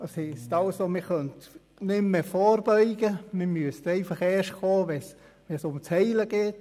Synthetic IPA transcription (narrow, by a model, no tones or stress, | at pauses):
əshɛstɑlsomiχœnt | nɪmmefoːɾbœʏɡ̥əmɪmyəstɛɪfɑχɛːʃkʰoːʋɛs | ʋɛsʊmt͡shɛɪləɡ̥ɛːt